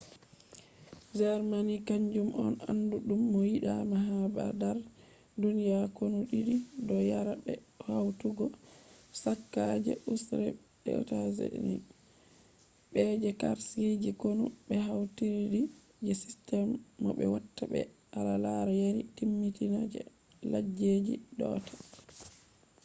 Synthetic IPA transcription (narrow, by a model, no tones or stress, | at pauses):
d͡ʒɛɾmanikaɲd͡ʒumɔnanduɗumːɔjiɗamaɦaba̰daɾ | dunijakonuɗiɗidɔjaɾabɛhawtuɡɔsakːad͡ʒɛ̰ʔusɾɛ̰ | ɓɛ̰tazḛnḭ | ɓɛd͡ʒɛkaɾsid͡ʒikonubɛɦawtiɾidi | d͡ʒɛsi̥stɛmːɔɓɛ̰watːabɛ̰ʔalalaɾajaɾitimːitinad͡ʒɛ̰ | lad͡ʒed͡ʒḭdɔ̰tʰḁ